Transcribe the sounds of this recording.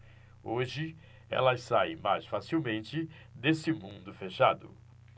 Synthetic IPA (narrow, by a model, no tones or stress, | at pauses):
oʒɪ | ɛ̰lɐsaj̃majsfasiwmẽnt͡ʃɪ | d̪esɪmũnd̪ʊfeʃad̪ʊ̰